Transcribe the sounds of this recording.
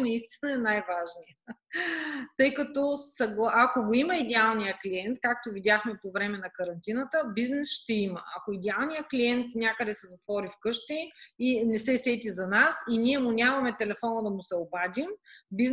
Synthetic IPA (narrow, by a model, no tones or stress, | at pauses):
nɐist̪i̥nəɛnajvaʒnijə | t̪ɤjkɐt̪ɔssɐɡlˠʔɐkoɡoiməid̪ɛalˠnijəkliɛnt̪kak̚t̪ovid̪ʲjaxmɛpovɾɛmɛnɐkɐɾɐnt̪inət̪əbiznɛsʃt̪ɛimə̰ʔɐkoid̪ɛalˠnijəkliɛnt̪nʲakəd̪ɛsɛzɐt̪vɔɾifkɤʃt̪ɛinɛsɛsɛt̪ʲizɐnasiniɛmʊnʲamɐmɛt̪ɛlɛfɔnəd̪ɐmʊsɛobad̪ʲimbiz